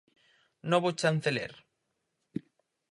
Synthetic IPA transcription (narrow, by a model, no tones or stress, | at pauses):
nɔβot͡ʃan̟θelḛɾ